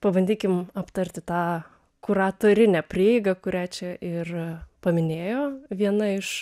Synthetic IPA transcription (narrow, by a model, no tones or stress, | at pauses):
pɐbɐnʲd̪ʲiːkʲɪmɐpt̪ɐɾʲt̪ʲɪt̪ɑː | kʊɾɑːt̪oːɾʲɪnʲɛpʲɾʲiːɪɡɐkʊɾʲæːt͡ʃʲɛʔɪrpɐmʲɪnʲeːjoːʋʲiɛnɐɪʃ